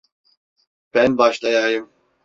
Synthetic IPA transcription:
b̥ɛnbaʃt̪ajajɯm

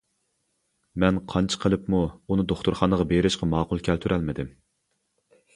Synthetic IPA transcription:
mɛnqʰɑnt͡ʃʰə̥qʰəlˠɨpmuunɨd̪oχt̪uɾχɑnəʁɑbeɾɪʃqɑmɑːqʊlˠkʲʰɛlt̪ʰyɾʔɛlmɪd̪ɪm

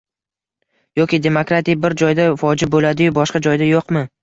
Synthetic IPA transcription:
jɒkʲɪd̪e̞mokɾat̪ijbɪɾd͡ʒɒjd̪afɒd͡ʒɪbolad̪ɪjʊbɒʃqɑd͡ʒɒjd̪ajoqmɪ

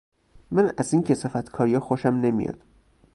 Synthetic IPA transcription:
mænæziːŋcʰesefæt̪ʰkʰɒːɾijɒxoʃæmne̞mḭjɒ̰d̪̥

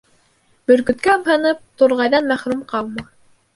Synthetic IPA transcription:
bɵ̆ɾkɵ̆t̪̚kæɤmɦɤ̆nɤp̚t̪uɾʁɑjðɑnmæχɾʉmqɑlˠmɑ

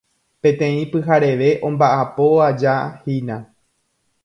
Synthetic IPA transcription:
pẽ̞t̪ẽ̞ĩpɨɦaɾe̞ʋe̞ʔõ̞mbaʔapo̞ad͡ʒahinã

